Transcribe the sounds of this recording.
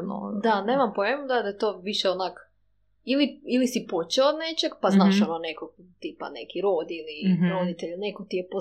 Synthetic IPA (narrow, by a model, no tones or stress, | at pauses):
n̰d̪ane̞ːmampoemud̪ad̪at̪oːʋiʃeonak | iliilisipot͡ɕeod̪ne̞t͡ɕeɡpaznaːʃononekokt̪iːpa̰nḛkiɾoːd̪iliɾod̪it̪eʎnekot̪ijepo